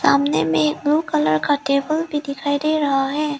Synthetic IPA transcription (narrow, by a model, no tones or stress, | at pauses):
saːmnemẽek̚bluːkɐləɾkaʈeːbəlbʱid̪ɪkʰaːid̪eɾɐɦaɦɛː